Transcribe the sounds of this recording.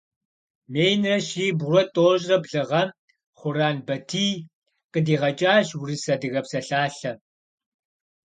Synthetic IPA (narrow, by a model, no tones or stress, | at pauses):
meːjnrɐʃiːbʊɾɔtʼoːʑʼrɐbɮɨʁɐm | χʷʊɾaːnbɐtʰiː | qədiːʁɐt͡ʃʼaːʃwrisɐdɨɣɐpsɐɬaːɬɐ